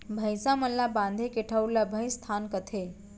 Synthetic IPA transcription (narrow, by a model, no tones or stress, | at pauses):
bʱə̃jsãmənlabãnd̪ʱekeʈʰəwlabʱə̃j̃st̪ʰankət̪ʰe